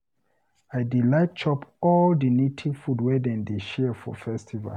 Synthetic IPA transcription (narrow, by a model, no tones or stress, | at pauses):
ajdilat̚t͡ʃʰɔpʰɔldinetʰi̥fudwɛdɛ̃ndeʃɛfɔ̰fɛstʰiva̰